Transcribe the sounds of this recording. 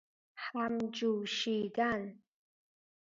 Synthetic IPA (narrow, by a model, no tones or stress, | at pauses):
ħamd͡ʒuwʃiɡan